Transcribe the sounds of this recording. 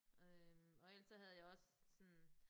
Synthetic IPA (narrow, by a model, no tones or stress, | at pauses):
ømɒ̽el̰sɒhæð̞ˠjɑ̈ɪɒ̽ssɔn